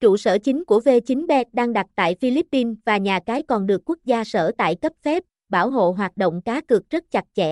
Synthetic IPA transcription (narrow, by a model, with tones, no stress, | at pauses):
t͡ɕṵ˧˨sə̰ː˧˩t͡ɕï˨˦ŋ̟ku˧˩əve˧t͡ɕï˨˦ŋ̟ɓɛ˦˥t̚ɗaː˧ŋɗa˨˩t̚t̪a̰ː˧˨jfi˧li˦˥pːi˧nvaː˨˩ɲaː˨˩kaː˨˦jkɔ˨˩nɗɨ˨˩əkːu˦˥k̚zaː˧sə̰ː˧˩t̪a̰ː˧˨jkə˦˥p̚fɛ˦˥p̚ | ɓaː˧˩wɦo̰˧˨ɦwaː˨˩t̚ɗo̰˧˨wŋ͡mkaː˨˦kɨ˨˩ək̚zə˦˥t̚t͡ɕa˨˩t̚t͡ɕɛ̰˧˨